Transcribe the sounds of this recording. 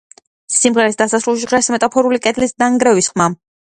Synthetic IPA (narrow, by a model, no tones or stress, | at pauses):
simʁɛɾɛsd̪asasɾulˠʃ̬iʁɛsmɛt̪ʼapʰɔɾulikʼɛd̪lisnaŋɡɾɛvisχma